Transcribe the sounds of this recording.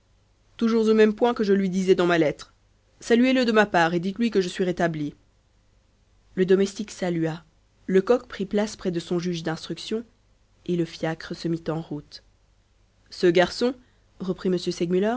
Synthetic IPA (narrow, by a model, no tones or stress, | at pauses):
t̪uʒuʁzomɛmpwɛ̃kəʒəlɥid̪izɛd̪ɑ̃malɛt̪χ | salyeləd̪əmapaːʁed̪it̪lɥikəʒəsɥiʁet̪abli | ləd̪ɔmɛst̪iksalya | ləkɔkpχiplaspχɛd̪əsɔ̃ʒyʒd̪ɛ̃st̪χyksjɔ̃ | eləfjakχəsəmit̪ɑ̃ʁut̪ | səɡaʁsɔ̃ | ʁəpχiməsjøsɛɡmylœ